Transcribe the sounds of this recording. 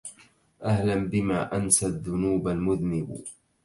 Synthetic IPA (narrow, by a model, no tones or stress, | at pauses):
ʔahlambɪmaːʔansaðːʊnuːbalmʊðnɪb